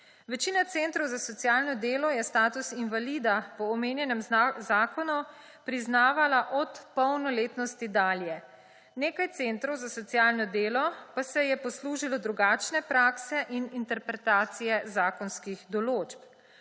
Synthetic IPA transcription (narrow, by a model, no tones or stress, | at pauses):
ʋɛt͡ʃiːnat̪sent̪ɾɔwzasɔt̪sijaːlnɔd̪eːlɔjɛst̪aːt̪usinʋalid̪apɔːmeːnjɛnɛmzaːkɔnu | pɾiznaːʋalaʔɔt̪pɔwnɔleːt̪nɔst̪id̪aːljɛ | neːkajt̪seːnt̪ɾɔwzasɔt̪sijaːlnɔd̪eːlɔpasɛjɛpɔsluːʒilɔd̪ɾuɡaːt͡ʃnɛpɾaːksɛʔinint̪ɛɾpɾɛt̪aːt̪sijɛzaːkɔnskiɣd̪ɔloːt͡ʃp